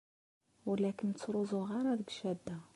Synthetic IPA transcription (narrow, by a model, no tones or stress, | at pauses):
wəlækənt͡sːɾuzˤʊʁɑɾˤɑðəɡʃæd̪ːæ